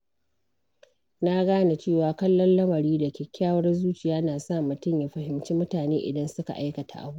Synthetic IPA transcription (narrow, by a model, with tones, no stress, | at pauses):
na˦ɡaː˦na˨t͡ʃeː˦˨waː˨kɐ˦lːɔ˦nlɐ˦mɐ˨ɾiː˦dɐ˨kʲeː˨kʲʰaː˦wɐ˦rzuː˦t͡ʃɪ˨jaː˦naː˨sa˦˨mʊ˨tʊ˦˨mja˨ɸɐ˨ɦɪ˨mt͡ʃiː˦mʊ˦taː˨neː˦ʔɪ̰˨dɐ˦nsʊ˦ka̰˨ʔa˦jkɐ˨ta̰˨ʔa̰˨buː˦ʔ